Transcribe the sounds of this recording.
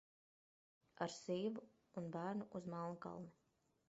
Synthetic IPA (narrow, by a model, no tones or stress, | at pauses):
aɾsiːvuː | nbæːɾnuʔuzmalnuka̰lˠna